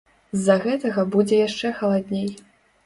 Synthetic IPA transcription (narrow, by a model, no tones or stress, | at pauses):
zːɐɣɛt̪ɐɣɐbud͡zʲɛjaʂt͡ʂɛxɐlˠad̪ʲnʲej